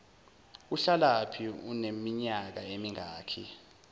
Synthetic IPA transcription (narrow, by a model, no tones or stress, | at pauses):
uɬalapʰiunemiɲak̬aemiŋaːkʰi